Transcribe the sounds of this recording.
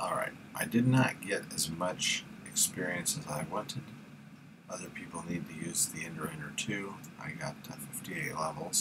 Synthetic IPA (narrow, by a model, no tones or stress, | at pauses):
ʔɔlˠɹa̰ɪt̚ʔaɪdɨdⁿnət̚ɡ̥ɛɾɨzmʌt͡ʃɨkspɪɹiɨ̃nsɨzaɪwɑ̃ntʰɨd̥ | ʔʌðə˞pʰipl̩ˠnid̚tʰɨjʉzðiɪ̃ndə˞ɪ̃nə˞tʰʉ | ʔaɪɡɑ̰tə̰fɪftieɪʔˡlɛvl̩ˠz̥